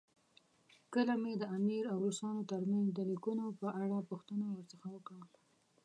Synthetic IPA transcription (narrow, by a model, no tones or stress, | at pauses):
kəlamed̪əamiɾawɾusɑnot̪aɾmanzd̪əlikunopəʔaɽapuxt̪ənawəɾt͡səxawəkɽa